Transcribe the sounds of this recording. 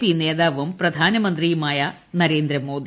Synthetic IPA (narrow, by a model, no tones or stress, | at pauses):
pineːd̪aːʋɐmpɾɐd̪ʱaːnɐmɐnt̪ɾimaːjaː | nɐɾeːnd̪ɾɐmoːd̪